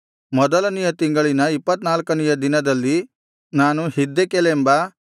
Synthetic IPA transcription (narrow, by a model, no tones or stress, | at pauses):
mɔd̪ɐlɐnijɐt̪iŋɡɐɭinɐipːɐt̪naːlkɐnijɐd̪inɐd̪ɐlːi | naːnuhid̪ːekelembɐ